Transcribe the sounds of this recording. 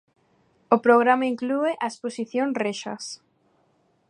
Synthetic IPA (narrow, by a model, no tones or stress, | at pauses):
opɾoɣ̞ɾamaiŋklueʔaesposiθjoŋreʃɐ̰s